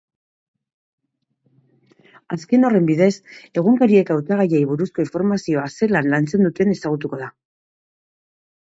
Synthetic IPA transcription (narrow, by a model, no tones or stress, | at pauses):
aske̞no̞re̞mbið̞e̞se̞ɣ̞uŋkaɾie̞kawt͡saɣ̞ajejβuɾusko̞iɱfo̞ɾmasio̞ase̞lanlant͡se̞nd̪ut̪e̞ne̞saɣ̞ut̪uko̞ð̞a